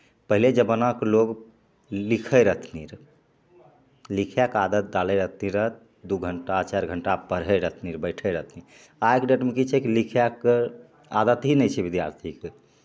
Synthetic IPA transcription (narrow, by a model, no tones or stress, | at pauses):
pəɦiled͡ʒəbənakloɡ | likʰəjɾət̪ʰniɾ | likʰjakad̪ət̪̚d̪alɛɾət̪ʰniɾət̪̚ʰ | d̪uɡʱəɳʈat͡ʃaɾɡʱəɳʈapəɾɦəɾət̪ʰniɾbəɪʈʰəɾəɦt̪ʰni | aekɖeʈmekit͡ʃʰɛkilikʰjak | ad̪ət̪ɦinɛjt͡ʃʰɛbid̪ja̰ɾt̪ʰike